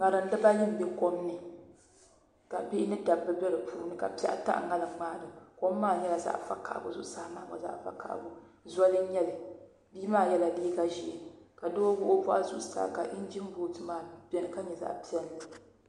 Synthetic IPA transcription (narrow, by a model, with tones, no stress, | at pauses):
ŋa˨lɨ˨n̩˦dɨ˦ba˦ni˦m˨bɛ˦ko˦mnɨ˨ | ka˨bi˦nɨ˦da˨bːɨ˦bɛ˦ɾɨ˨pʰuː˦nɨ˦ka̰˨pi˦ɛ̰˦ʔa̰˦ta̰˦ʔŋa˦lɨ˨ŋ͡maː˦˨dɨ˨ko˦mːaː˦˨ɲɛ˦la˨za̰˦ʔfa˦ka̰˨ʔbʊ˨zʊ˦ʔsa˦maː˦˨ma̰˨za̰˦ʔfa̰˦ka̰˨ʔbʊ˦ | za˦lɨ˦ɲɛ˦lɨ˨ | biː˦maː˦˨jɛ˦la˨liː˦ɡa˦ʒi˨ʔe˨ka˨doː˦ɡʊ˦ʔo˦bɔ˦ʔa˦zʊ˦ʔsa̰˨ka˨ʔɪ˦n˦d͡ʒi˦m˦bo˦tɨ˦maː˦bɛ˦nɨ˨ka˦ɲɛ˨za̰˦˨ʔpi˦ɛ˦n˨lɨ˨